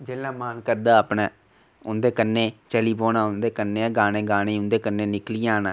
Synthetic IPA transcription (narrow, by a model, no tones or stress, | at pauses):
d͡ʒeːlːãːmaːnkəɾd̪aːəpnaː | ʊnd̪eːkənːẽːt͡ʃəliːpoːnãːʊnd̪eːkənːẽːɡaːnẽːɡaːñẽːʊ̃nd̪eːkənːẽːnɪkliːãːnaː